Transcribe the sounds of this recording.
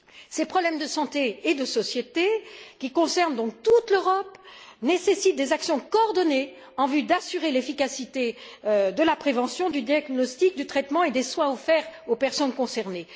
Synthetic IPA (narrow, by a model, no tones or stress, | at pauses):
sepχɔblɛmd̪əsɑ̃t̪eːd̪əsɔsjet̪ekʲikɔ̃sɛʁnd̪ɔ̃k̚t̪ut̪løʁɔpnesesit̪̚d̪ezaksjɔ̃kɔːʁd̪ɔne | ɑ̃vyd̪asyʁelefikasit̪ed̪əlapχevɑ̃sjɔ̃d̪yd̪jaɡnɔst̪ik̚d̪yt̪χɛt̪mɑ̃ed̪eswɛ̃ofɛʁopɛʁsɔnkɔ̃sɛʁne